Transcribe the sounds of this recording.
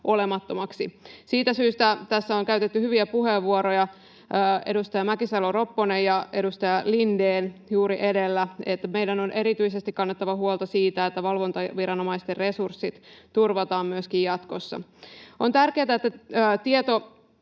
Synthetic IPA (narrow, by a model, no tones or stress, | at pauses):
ʔo̞le̞mɑt̪ːomɑksisiːt̪æsyːst̪æt̪æsːæoŋkæyɥt̪et̪ːyhyʋiæpuɦeʋːuoɾojɑ | əːe̞̰dust̪ɑjɑmækisɑloro̞pːonejɑe̞dust̪ɑjɑlindeːnjuːɾiʔe̞de̞lːæet̪ːæmejdæno̞nʔe̞ɾit̪yisest̪ikkɑnːet̪ːɑʋɑhuolˠt̪ɑsiːt̪æet̪ːæʋɑlʋo̞nt̪ɑʋiɾɑnomɑist̪erre̞sursːit̪t̪urʋɑt̪ɑːmmyøskijjɑt̪ko̞sːɑ̰o̞nt̪ærke̞ːt̪æet̪ːæːt̪iet̪o̞